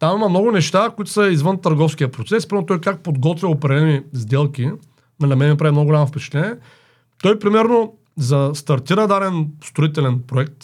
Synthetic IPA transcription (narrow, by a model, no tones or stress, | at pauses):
t̪amimɐmnɔɡʊnɛʃt̪akʊit̪ʊ̥sɐizvənt̪ɐɾɡɔfskʲiəpɾot̪sɛspɾimɛɾot̪ɔjkak̚pod̪ɡɔt̪vʲɐʊpɾɛdlɛnizd̪ɛlˠkʲi | nɛnɐmɛnnɐpɾavimnɔɡlʲamnofpɛt͡ʃɛ̥t̪lɛnʲiɛ | t̪ɔjpɾimɛɾno | zɐst̪ɐɾt̪iɾəd̪ad̪ɛnst̪ɾoit̪ɛlɛnpɾoɛk̚t̪